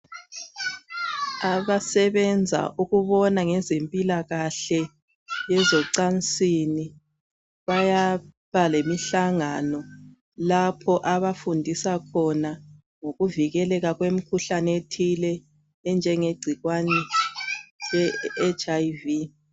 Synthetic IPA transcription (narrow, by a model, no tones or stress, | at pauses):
aβasɛβɛnd͡zʱa̰ʔuɣuβɔnaŋɛzempʼilaɣaɬɛ | jɛzɔǀant͡sʼini | βaja | βalemiɬaŋanɔ | lapʰɔʔaβafundʱisakʰɔna | ŋoɣuviɣɛlɛɣaɣwem̩kʰuɬanetʰilɛː | nd͡ʒʱɛŋeɡ͡ǀʱiɣwanɛ | lɛːt͡ʃʰʼajvi